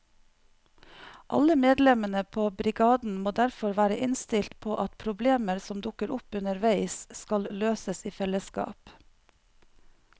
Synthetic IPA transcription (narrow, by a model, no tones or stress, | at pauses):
ʔɑ̰ləmeːd̪lɛmənəpʰoːbɾɪɡɑːd̪n̩moːd̪æɾfɔɾʋæːɾəʔɪnst̪ɪlt̪pʰoːʔɑt̪pʰɾʊbleːməɾsɔmd̪ʊkəɾʊpʉnəɾʋæɪsskɑlløːsəsiːfɛləskɑ̰ːp